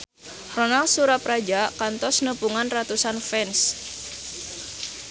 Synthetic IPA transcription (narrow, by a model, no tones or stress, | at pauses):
ronalsuɾapɾad͡ʒakant̪ɔsnəpuŋanrat̪usanfɛns